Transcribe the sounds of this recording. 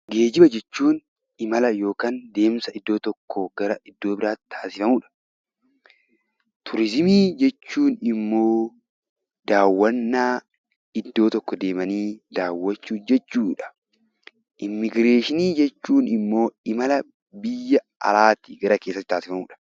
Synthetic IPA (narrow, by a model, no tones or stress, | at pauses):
ɡe̞ːd͡ʒɪbɐd͡ʒɛt͡ʃːuːn | ɪmɐlɐjo̞ːkaːnd̪e̞ːmsɐɪd̪ːo̞ːt̪ɔkʰːɔɡɐɾɐɪd̪ːo̞ːbɪɾaːt̪t̪ʰaːsɪfɐmuːᶑɐ̥ | t̪ʰʊɾɪzɪmiːd͡ʒɛt͡ʃːuːnɪmːo̞ː | d̪̥aːwːɐnːaː | ɪd̪ːo̞ːt̪ɔkːɔd̪e̞ːmɐniːd̪aːwːɐt͡ʃːuːd͡ʒɛt͡ʃːuːᶑɐ̥ | ʔɪmːɪɡɾe̞ːʃɪniːd͡ʒɛt͡ʃːuːnɪmːo̞ːɪmɐlɐ | bɪjːɐ | ɐ̰laːt̪iɡɐɾɐkeːsːɐt̪ːɪt̪ːaːsɪfɐmuːᶑɐ̥